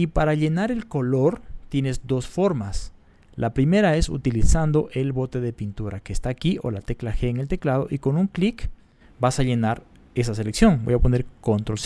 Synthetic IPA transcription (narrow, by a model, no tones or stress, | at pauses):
ipaɾaʎe̞naɾe̞lko̞lo̞ɾt̪je̞ne̞zd̪o̞sfo̞ɾmas | lʔapɾime̞ɾae̞sṵt̪ilisand̪o̞ʔe̞lβo̞t̪e̞ðe̞pint̪uɾake̞ːst̪aːkiʔo̞̰lat̪e̞klaxeːŋelt̪e̞klað̞o̞̰ʔiko̞nuŋklik | basaʎe̞naɾ | e̞sase̞leksjo̞ŋbo̞̰japo̞ne̞ɾko̞nt̪ɾos